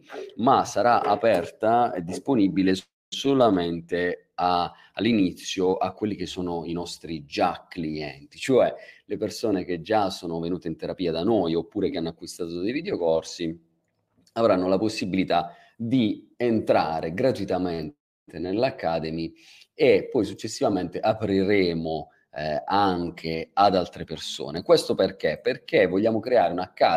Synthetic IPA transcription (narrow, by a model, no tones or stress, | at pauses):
masːaɾaʔapɛrt̪aḛd̪ːisponibiles | solament̪e | aː | lːinit̪sːjoʔa̰kːwelːikesːoːnoinɔst̪ɾid͡ʒakːliɛ̰nt̪it͡ʃoɛlepersoːnek̟ed͡ʒːasːoːnovenuːt̪eint̪eɾapiːad̪anojopːuːɾekeanːoakːwist̪aːt̪od̪ejvid̪eokɔrsi | avɾanːolaposːibilit̪a | d̪i | ent̪ɾaːɾeɡɾat̪uit̪amen | t̪enelːakːaːd̪emi | epːɔjsut͡ʃːesːivament̪eʔapɾiɾeːmo | aŋk̟ʰead̪alt̪ɾeperso̰ːnekwest̪operkeperkevoʎːaːmokɾeaːɾeunakːa